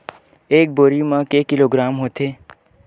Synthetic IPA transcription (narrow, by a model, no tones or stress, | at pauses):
eːk̚boːɾimãkeːkɪloːɡɾaːmɦot̪ʰeː